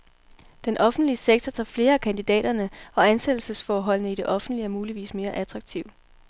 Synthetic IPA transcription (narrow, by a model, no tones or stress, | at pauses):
d̥enʔɒ̽fn̩d̥liəseɡ̥̚t͡sʰɐt͡sʰɑ̰̈ːfle̝ːɐækʰænd̥id̥ɛ̰ːɾ̥ɐnəɒ̽ænsed̥l̩səsfɒːɦɒ̽l̰nəid̥e̝ʔɒ̽fn̩d̥liæmuːliʋḭːsme̝ːɐʔæd̥ʰʁɑ̈ɡ̥̚t͡sʰiʊ̰